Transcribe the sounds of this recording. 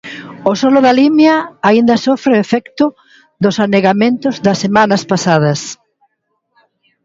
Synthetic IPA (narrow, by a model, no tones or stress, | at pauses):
ʊsɔlʊðɐlimjɐaind̪ɐsɔfɾeefɛkt̪ʊ | ðʊsaneɣamẽnt̪ʊzðɐsːemãnɐspasað̞ɐs